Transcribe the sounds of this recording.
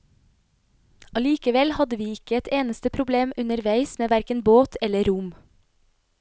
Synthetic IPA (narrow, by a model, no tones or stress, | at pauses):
ɑliːkəʋɛlhɑd̪əʋiːɪkəɛt̪eːnəst̪əpʰɾʊbleːmʉnəɾʋæɪsmeːʋæɾkənboːt̪ʰɛləɾʊm